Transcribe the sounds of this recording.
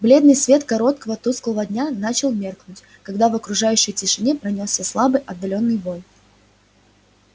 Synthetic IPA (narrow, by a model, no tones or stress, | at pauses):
blʲe̞d̪nɨjsvʲe̞t̪kɐɾo̞t̪̚kəvət̪usklˠəvədʲnʲanat͡ɕɪlˠmʲe̞rknʊtʲ | kɐɡd̪avɐkɾʊʐajʉɕːəjtʲɪʂɨnʲepɾɐnʲossʲəslˠabɨjʔɐd̪ːɐlʲo̞nːɨjvo̞j